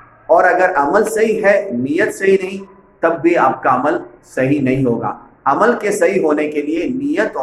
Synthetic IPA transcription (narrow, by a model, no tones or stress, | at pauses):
ɔːɾɐɡəɾʔɐməlsɐɦiɦɛnijət̪sɐɦinɐɦĩ | t̪ɐbːiaːp̚kaɐməlsɐɦinɐɦĩɦoːɡa̰ː | ɐməlkesɐɦiɦoːnekelienijət̪ː